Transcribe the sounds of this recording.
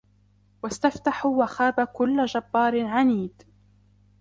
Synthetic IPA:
wast̪aft̪aħuwaxaːbakʊlːd͡ʒabːɑːɾɪʕaniːd̪

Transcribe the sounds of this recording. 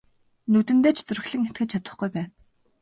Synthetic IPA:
nɵt̪ɘ̆nt̪eːt͡ɕʰt͡sɵɾ̆ɮɘ̆ŋet̪ɡɘ̆t͡ɕ̚t͡ɕʰat̪ə̆χɡujpæːn

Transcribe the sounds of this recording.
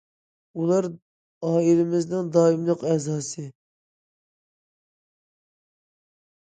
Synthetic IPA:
ulˠɑɾ | ɑːilɪmɪznɪŋd̪ɑːimlˠəqɛzɑːsɨ

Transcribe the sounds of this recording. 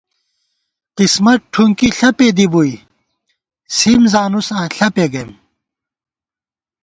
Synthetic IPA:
qismɐʈʰuŋkiɬɐped̪ibui | simzaːnusãːɬɐpeɡɐjm

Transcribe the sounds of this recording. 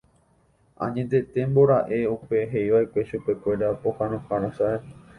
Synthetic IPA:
ã̰ɲẽt̪̬e̞t̪ẽ̞mbo̞ɾaʔe̞upe̞ɦe̞iʋaʔekʷe̞ʃupe̞kʷe̞ɾapo̞hãnõhaɾõsae

